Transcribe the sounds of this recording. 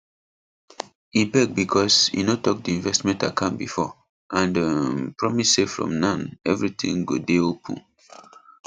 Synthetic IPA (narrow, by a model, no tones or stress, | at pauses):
ĩmpɛk̚bikʰɔsjḭnotɔk̚diĩnvɛstmɛ̃ntakʰãmbifɔ | ʔãndəpɹɔmisːefɹɔ̰̃mnãnɛvɹitʰḭ̃ŋɡodeopʰə̰̃n